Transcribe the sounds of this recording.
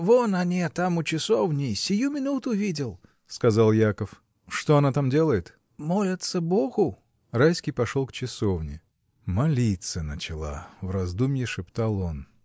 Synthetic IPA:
vonɐnʲet̪amʊt͡ɕɪsovnʲɪjsʲɪjumʲɪnut̪ʊvʲidʲɪlˠ | skɐzalˠjakəf | ʂt̪oɐnat̪amdʲelˠəjɪt̪ | molʲɪt̪səboɣʊ | rajsʲkʲijpɐʂolˠkt͡ɕɪsovnʲɪ̰ | mɐlʲit̪sənət͡ɕɪlˠa̰vrɐzd̪umʲjɪʂɨpt̪alˠo̞n

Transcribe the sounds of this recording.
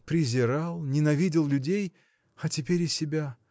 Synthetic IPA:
pɾʲɪzʲɪɾalˠnʲɪnɐvʲidʲɪlˠlʲʉdʲej | ɐtʲɪpʲeɾʲɪsʲɪbʲa

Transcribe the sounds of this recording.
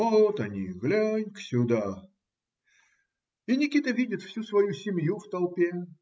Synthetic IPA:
ot̪ɐnʲḭɣlʲanʲksʲʊd̪a | inʲɪkʲit̪əvʲidʲɪt̪fsʲusvɐjusʲɪmʲjuft̪ɐlˠpʲe

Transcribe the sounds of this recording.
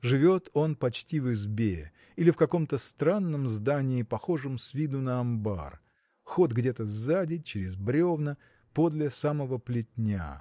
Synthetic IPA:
ʐɨvʲo̞t̪o̞npɐt͡ɕtʲivɨzbʲe | ilʲɪfkɐko̞mt̪əst̪ɾanːəmzd̪anʲɪːpɐxo̞ʐɨmsvʲid̪ʊnəɐmba̰r | xod̪ɡdʲe̞t̪əzadʲɪt͡ɕɪɾʲɪzbɾʲo̞vnə | po̞d̪lʲɪsaməvəplʲɪt̚ʲnʲa̰

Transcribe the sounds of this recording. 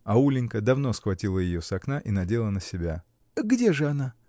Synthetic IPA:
ɐulʲɪnʲkəd̪ɐvno̞sxvɐtʲilˠəjɪjo̞sɐknaʔinɐdʲe̞lˠənəsʲɪbʲa | ɡdʲe̞ʐɨɐna

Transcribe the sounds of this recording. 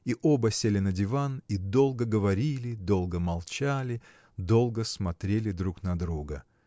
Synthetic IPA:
iʔobəsʲelʲɪnədʲɪvanid̪o̞lˠɡəɡəvɐɾʲilʲɪd̪o̞lˠɡəmɐlˠt͡ɕalʲɪ | d̪o̞lˠɡəsmɐt̪ɾʲelʲɪd̪ɾuknɐd̪ɾuɡə

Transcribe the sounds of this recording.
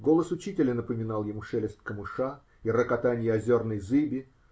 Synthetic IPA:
ɡo̞lˠəsʊt͡ɕitʲɪlʲənəpəmʲɪnɑlˠjɪmuʂɛlʲɪst̪̚ʲkəmɨʂa | irəkɐt̪anʲɪjɪɐzʲornəjzɨbʲɪ

